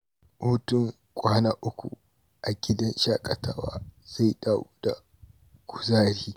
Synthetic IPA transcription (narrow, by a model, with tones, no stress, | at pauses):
hu˦tʊ˦ŋ | kʷʼaː˦naː˦ʔʊ˦kʷṵ˨ | ʔa˨ɡʲɪ˦dɐ˦nʃaː˦kʼɐ˨ta̰ː˦wa̰ː˦z̥a˦˨jɗa˦ʔu˦da̰˨ | ɡ̥ʷʊ˨zaː˦ɾiː˦